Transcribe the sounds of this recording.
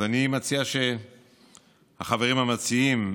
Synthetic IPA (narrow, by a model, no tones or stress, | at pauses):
animat͡siaʃe̞ | haχaveʁimhamat͡siim